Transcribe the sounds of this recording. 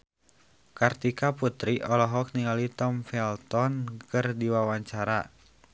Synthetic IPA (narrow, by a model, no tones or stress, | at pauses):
kart̪ikaput̪ɾiʔɔlɔɦɔk̚niŋalit̪ɔmfɛlt̪ɔnkɨrdiwawaɲt͡ʃaɾa̰